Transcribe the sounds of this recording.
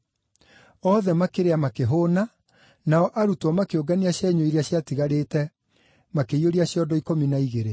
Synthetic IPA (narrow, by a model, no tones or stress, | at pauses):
ɔðɛmakeɾeamakeɦoːna | naɔʔaɾutɔmakeoɡaniaɕɛɲoiɾiaɕjatiɣaɾetɛ | makeioɾiaɕjɔdɔikominaiɣeɾe